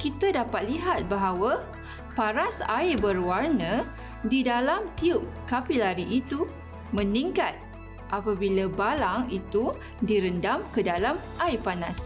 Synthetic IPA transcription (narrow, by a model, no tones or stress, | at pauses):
kit̪adapat̪̚liɦat̪̚baɦawa | paɾasa̰ibərwarnə̃ | didalamt̪iʊp̚kapilaɾiʔːt̪u | mə̃niŋkat̪̚ | ʔapabilabalaŋit̪u | diɾəndamkədalamʔajpanas